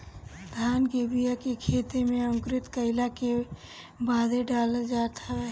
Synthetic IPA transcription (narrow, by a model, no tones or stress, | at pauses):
d̪ʱaːnkebijakekʰeːt̪emẽəmʊkɾɪt̪kəɪlake | baːd̪ʱeɖaːləd͡ʒaːt̪ʰaʋɛː